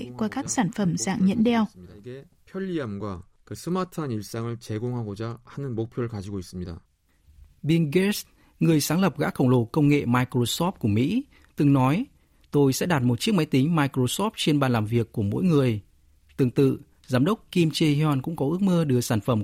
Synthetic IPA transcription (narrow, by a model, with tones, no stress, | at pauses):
kwaː˧kaː˦˥k̚saː˧˩nfə˧˩mza̰ː˧˨ŋɲə̰˧˥nɗɛ˧wɡe | pʰjʌʎːiamɡwa | kɯ˨sʰɯ˦matʰɯaniɭs͈aŋɯɭt͡ɕe˨ɡoŋɦaɡod͡ʑahanɯnmo˧k̚pʰjo˦ɾkad͡ʑi˧ɡoi˨˩s͈ɨmɲi˨da̰ | ɓi˧ŋɡe˦˥s | ŋɨ˨˩əjsaː˨˦ŋlə˨˩p̚ɣa̰ː˧˥xə˨˩wŋ͡mlo˨˧˩kə˧wŋ͡mŋḛ˧˨maː˧jkɾo˧sɔ˦˥p̚ku˧˩əmḭ˧˥ | t̪ɨ˨˩ŋnɔ˨˦j | t̪o˧jsɛ̰˧˥ɗaː˨˩t̚mo˨˩t̚t͡ɕi˦˥ək̚ma˧˦jt̪ï˨˦ŋ̟maː˧jkɾo˧sɔ˦˥p̚t͡ɕe˧nɓaː˨˩nlaː˨˩mvi˨˩əkːu˧˩əmo̰˧˥jŋɨ˨˩əj | t̪ɨ˨˩əŋt̪ɨ̰˧˨ | zaː˨˦mɗə˦˥wk͡p̚ki˧mt͡ɕe˧hjɔ˧nkʊ̰˧˥ŋ͡mkɔ˨˦ʔɨ˦˥ək̚mɨ˧ɗɨ˧˩əsaː˧˩nfə˧˩m